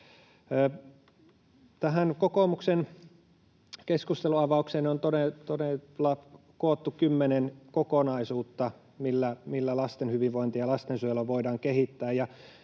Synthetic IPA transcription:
t̪æɦænkokomuksen | keskust̪eluɑʋɑˑukseːnont̪onet̪onelɑp | koot̪ːukymːenenkokonɑisuːt̪ːɑ | milːæmilːælɑst̪enhyʋiʋʋoint̪iɑlɑst̪ensyølːɑʋoidɑːŋkehit̪ːæːjjɑ

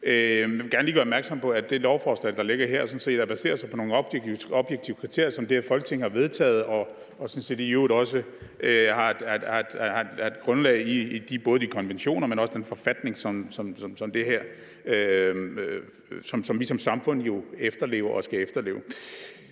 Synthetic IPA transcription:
øjæʋeɡ̥æɐnliːɡɶɐɒbmæɐɡ̥sɒ̽mpʰɒ̽æd̥e̝lɒʊfɒsd̥ʁɛld̥ɑ̈le̝ɡ̥ɐɦeɐ̰ɒsɒ̽n̩se̝̰ːd̥ɑb̥æse̝̰ːɐsɑɪpʰɒ̽no̝ːn̩ɒb̥ɒb̥jeɡ̥̚t͡sʰiʊkʰʁit͡sʰe̝ɐ̰jɐsɒ̽md̥e̝æfɒ̽lɡ̥ə̥t͡sʰe̝ŋhɑ̈ʋe̝ð̞ˠt͡sʰɛ̰ːð̞̩ˠɒ̽ | ɒ̽sɒnse̝̰ːd̥ijudˠɒ̽sə | ʔøhɑ̈ed̥hɑ̈d̥hɑe̝̥e̝d̥ɡ̥ʁɔ̽nlɛ̰ːɪiːd̥ib̥ɔ̽ːð̞̩ˠd̥ikʰɒ̽nʋenɕo̝̰ːnɐmenɒsə̥d̥enfɒ̽fæd̥ne̝ŋsɒ̽msɒ̽msɒ̽msɒ̽md̥e̝ɦæɐ̰ | ø | sɒ̽msɒ̽mʋisɒ̽msɑ̈mfɔ̽n̰ˠjo̝efd̥ɐle̝̰ːʊɐʔɒsɡ̥æefd̥ɐle̝̰ːʊ

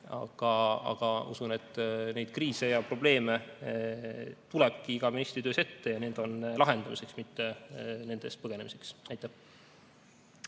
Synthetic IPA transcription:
ɑ̰ɡ̥ɑɑ̰ɡ̥ɑṵsune̞t̪ːˑne̞jd̪̥kriːse̞jɑpro̞b̥le̞ːme̞ | t̪uleb̥̚kiiɡ̥ɑminist̪rid̪øːse̞t̪ːe̞jɑne̞nd̪̥o̞nlɑɦe̞nd̪̥ɑmise̞ksmit̪ːe̞ne̞nd̪̥e̞st̪̚pɤɡ̥e̞ne̞mise̞ksɑjt̪ːˑæh

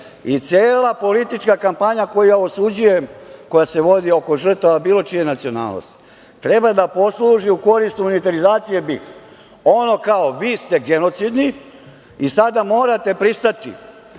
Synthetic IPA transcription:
it̪sʲjeːlˠapo̞lit̪it͡ʃkakampaɲako̞jujaosud͡ʑujemko̞jase̞ʋo̞d̪io̞ko̞ʒr̩t̪aʋabiːlˠo̞t͡ʃije̞nat̪sio̞na̰ːlno̰st̪ | t̪ɾe̞bad̪apo̞slˠuːʒiuko̞ɾist̪umonit̪aɾizaːt̪sije̞bix | o̞no̞kaoʋiːst̪e̞ɡeno̞t̪sid̪ni | isad̪amo̞ːɾat̪e̞pɾist̪at̪ḭ

